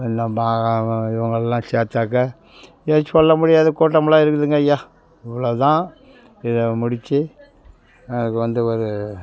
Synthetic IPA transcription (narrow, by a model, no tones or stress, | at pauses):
ɛnːɐmaːɪʋɐŋɡɐɭɛlːãːseːt̪ːaːkːɐ | esɔlːɐmʊɽɪjaːðɐkuːʈ̬ːɐmɐɭãːɪɾɯkːɯðɯŋɡɐjaː | ɪʋɐɭoːt̪ãː | ɪðɐmʊɽɪt͡ʃːɯ | ɐnɐkːɯʋɐnd̪ɯɔɾɯ